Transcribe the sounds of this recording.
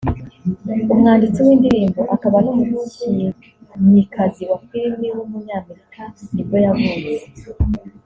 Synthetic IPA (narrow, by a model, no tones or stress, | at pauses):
umŋaːndit͡siwiːndiɾiːmbo̞ʔakaβanomumuːcije | mɲikʰaziwakiɾimiwumuɲaːme̞ɾikʰaiɾɟo̞javuːɾje